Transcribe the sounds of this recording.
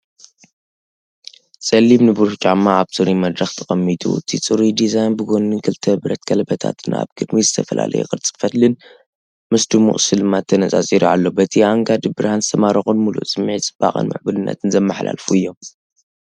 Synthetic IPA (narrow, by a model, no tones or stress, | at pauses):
t͡sʼɐlːiβnɨbɨɾuħt͡ʃʼamːaaβsʼɨɾimɐd̪ɾɐxt̪ʰɐxʼɐmːit̪ʰṵɨt̪ʰit͡sʼɨɾid̪izajnbɨɡonːɨnkʰɨlt̪ʰɐbɾɐt̪̚kʰɐlbɐt̪ʰa̰t̪ʰɨna̰βɡ̥ɨd̪mizɨt̪ʰɐfɐla̰lʔɐ̰jṵkʼɨɾt͡sʼɨ̥fɐt̪lɨn | mɐsd̪umṵχʼsɨlɨmat̪ʰːɐnɐt͡sʼazʼiɾiʕalːobɐt̪ʰiaŋɡad̪ɨbɨɾhanzɨ̥t̪ʰɐmaɾɐxunmulṵʔt͡sʼɨmːʕit͡sʼɨb̥a̰χʼɨ̰nmɨ̰ʕbɨlɨnːɐ̰t̪ʰɨnzɐmːaħla̰lfuɨjːo̞m